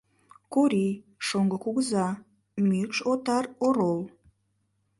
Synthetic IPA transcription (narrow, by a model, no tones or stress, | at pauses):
koɾi | ʃoŋɡəkuɡəzɑ | mykʃot̪ɑroɾol